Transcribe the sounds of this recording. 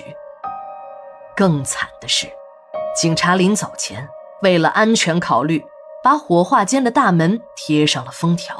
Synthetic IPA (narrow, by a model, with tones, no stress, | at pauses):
kɤ˥˧ŋt͡sʰa̰˨˩nd̪̥ə˦ʂɻ̩˥˩ | t͡ɕi˨˩ŋʈ͡ʂʰa˧˥li˧˥ŋt͡sɑ˨˩ʊt͡ɕʰjɛ̰˧˥n | we˥˩ɪlə̰˩ʔa˥nt͡ɕʰɥɛ˧˥nkʰɑ˨˩ʊly˥˩ | pa˧˥xwɔ˧˥xwa˥˧t͡ɕjɛ˥nd̪ə˨t̪a˥˩mə˧˥nt̪ʰjɛ˧˥ʂɑ˥˩ŋlə˩fɤ˥ŋt̪ʰjɑ˧˥ʊ